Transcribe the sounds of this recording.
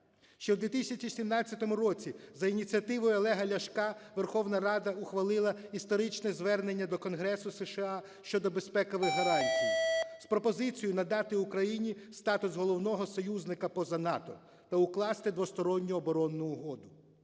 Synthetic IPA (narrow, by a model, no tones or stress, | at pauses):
ʃt͡ʃɛwd̪ʋʲit̪ɪsʲɐt͡ʃisʲimnɑt͡sʲːɐt̪ɔmʊɾɔt͡sʲizɐinʲit͡sʲiɐt̪ɪʋɔjʊɔlˠɛɦɐlʲɐʃkɑʋerxɔwnɐɾɑd̪ɐʊxʋɐlˠɪlˠɐist̪ɔɾɪt͡ʃnɛzʋɛrne̞nʲːɐd̪ɔkɔnɦɾɛsʊseʃɪɑ | ʃt͡ʃɔd̪ɔbespɛkɐʋɪɦɐɾɑnʲdʲijspɾɔpɔzɪt͡sʲijʊnɐd̪ɑt̪ɪukɾɐjinʲist̪ɑt̪ʊsɦɔlˠɔwnɔɦɔsɔjuznɪkɐpɔzɐnɑt̪ɔ | t̪ɐʊklˠɑst̪ɪd̪ʋɔst̪ɔɾɔnʲːʊɔbɔɾɔnːʊːɦɔd̪ʊ